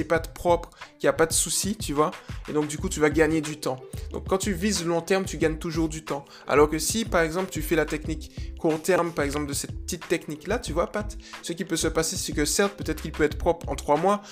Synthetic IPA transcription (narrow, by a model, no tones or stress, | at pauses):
ɛpat̪pχɔpχkʲiapad̪əsusit̪yvwaḛd̪ɔ̃k̚d̪ykut̪yvaɡaɲed̪yt̪ɑ̃d̪̥ɔ̰̃kːɑ̃t̪yvizəlɔ̃t̪ɛʁmt̪yɡaɲt̪uʒuʁd̪yt̪ɑ̃ | a̰lɔʁkəsipaʁɛɡzɑ̃plt̪yfɛlat̪ɛknikːuʁt̪ɛʁmpaʁɛɡzɑ̃pld̪əsɛt̪̚pə̥t̪it̪ːɛkniklat̪yvwapat̪səkʲipøsəpasesekəsɛʁt̪̚pøt̪ɛt̪χkilpøɛt̪χəpχɔpχɑ̰̃t̪χwamwa